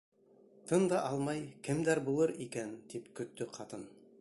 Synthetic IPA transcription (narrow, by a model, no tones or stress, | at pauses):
t̪ʰɤnd̪ɑʔɑlˠmɑjkɘ̆md̪æɾbulˠɤɾikænt̪ipkɵ̆t̪ːɵqʰɑt̪ɤn